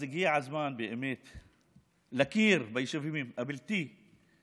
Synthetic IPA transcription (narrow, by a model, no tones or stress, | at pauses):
ɪɡiːʕazmaːnbiʔɪmeːt̪ | lakiːɾbajʃɪfimimʔabɪlt̪i